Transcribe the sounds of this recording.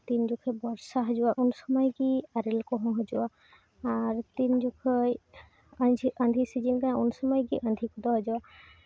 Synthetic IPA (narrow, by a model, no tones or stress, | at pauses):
t̪ind͡ʒukʰebɔɾsaɦɔd͡ʒuwaʔunsɔmɔjɡiaɾilkɔɦɔ̃ɦɔd͡ʒuwaː | ɾt̪ind͡ʒukʰɔj | əd͡ʒʱiʔə̃nd̪ʱisid͡ʒinkãunsɔmɔjɡiʔənd̪ʱikud̪ɔɦɔd͡ʒawa